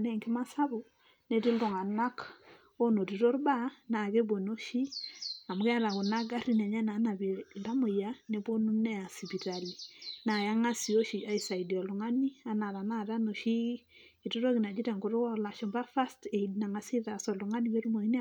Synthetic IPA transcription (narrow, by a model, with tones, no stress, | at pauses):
nɛ˨ŋkma˦sa˦βo˨ | ne˦ti˦lo˨ŋa˨na˦k | o˦no˨ɾi˨ɾo˦ɾba˦na˨ɣe˦bo˨no˦ʃi˦a˨mu˨ɣɛ˦ɾa˨ɣu˨na˦ɡa˦ɾi˦nɛ˨ɲa˦na˨˦na˨βi˨la˦mo˨ja˨˦ne˦bo˦nu˦nɛ˦a˨si˨βi˨ɾa˨li˨na˨ja˦ŋa˦si˨o˦ʃi˨a˦i˨sa˨i˨di˨ɔ˨lu˨ŋa˦ni˦a˦na˨ɾa˨na˦˨ɾa˦no˨ʃi˦ | i˨to˦ɾo˦ɣi˨na˨d͡ʒi˦ɾɛ˨ŋɡo˨ɾo˦a˦la˨ʃɔ˨mba˦fa˦ste˨i˨dina˨ŋa˨si˦ɾa˨sɔ˨lu˨ŋa˦ni˦βe˦ɾu˦mo˨i˦n˦